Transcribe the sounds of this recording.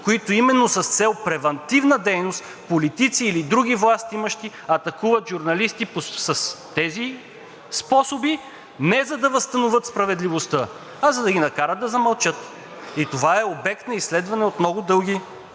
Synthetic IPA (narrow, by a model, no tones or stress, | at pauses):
koit̪oimɛnːosɐst̪sɛlˠpɾɛvɐnt̪ivnəd̪ɛjnost̪ | polit̪it̪siːlid̪ɾuɡ̟ʲivlˠast̪iiməʃt̪i | ɐt̪ɐkuvɐt̪ʒuɾnɐlist̪iposɐst̪ɛzi | spɔsobi | nɛzɐd̪ɐvəst̪ɐnovɤt̪spɾɐvɛd̪livost̪ə | ɐzɐd̪ɐɡʲinɐkaɾəd̪̚d̪ɐzɐmɐlˠt͡ʃɤt̪ | it̪ovaɛobɛk̚t̪nɐislɛd̪vɐnɛot̪mnɔɡʊd̪ɤlˠɡ̟ʲi